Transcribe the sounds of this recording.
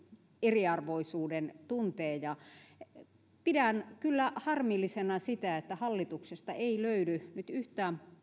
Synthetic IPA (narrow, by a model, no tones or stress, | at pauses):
eriɑrʋoisuːdent̪unt̪eːjɑ | pidænkylːæhɑrmilːisenɑsit̪æet̪ːæhɑlːit̪uksest̪ɑeiløydynyt̪yht̪æːm